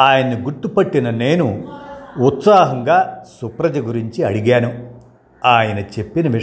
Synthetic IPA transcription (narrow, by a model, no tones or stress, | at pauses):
aːjɐnːiɡuɾt̪ːupɐʈːinɐne̞ːnu | ut̪saːɦɐŋɡaːsupɾɐd͡ʒɐɡuɾiɲt͡ʃiɐɽiɡaːnu | aːjɐnɐt͡ʃe̞pːinɐʋi